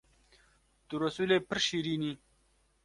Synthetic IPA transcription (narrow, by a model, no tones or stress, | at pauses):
t̪uɾɐsulepəɾɕiɾini